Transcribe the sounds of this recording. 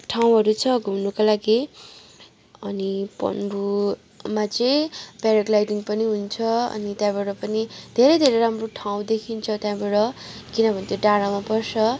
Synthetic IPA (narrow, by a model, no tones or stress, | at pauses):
ʈʰaw̃ɦʌɾut͡sʰʌɡʱumnukalaɡi | ʌnipʌ̰nbu | mat͡sʌĩpaɾʌklajʈiŋpʌniɦunt͡sʰʌʌ̰nit̪jãbaɽʌpʌnid̪ʱeɾʌjd̪ʱeɾʌjɾamroʈʰaw̃d̪ekʰint͡sʰʌt̪jãbʌɽʌkinʌbʱʌnt̪ʰjoɖaɽamapʌrsʰʌ